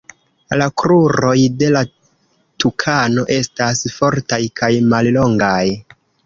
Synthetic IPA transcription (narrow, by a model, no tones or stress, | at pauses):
lakɾuɾo̞jde̞la | tukʰano̞ʔe̞stasfo̞ɾtajkʰajmallo̞ŋɡaj